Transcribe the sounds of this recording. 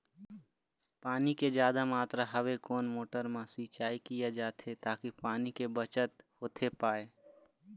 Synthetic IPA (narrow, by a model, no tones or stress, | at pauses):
paːniked͡ʒjaːd̪amaːt̪ɾaɦəʋekoːnmoːʈəɾmãsit͡ʃaːikijad͡ʒaːt̪ʰet̪aːkipaːnikebət͡ʃət̪hoːt̪ʰepaːeː